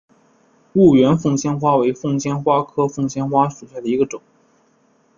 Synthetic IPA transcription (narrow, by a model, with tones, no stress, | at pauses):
u˥˩ɥɛ˧˥nfʊ˥˧ŋɕjɛ˥nxwa˥we˧˥ɪfɤ˥˩ŋɕjɛ˥nxwa˥kʰɤ˥fʊ˥˧ŋɕjɛ˥nxwa˥ʂu˨˩ɕja˥˩d̪ə˩i˧˥ɡə˧ʈ͡ʂʊ˨˩˦ŋ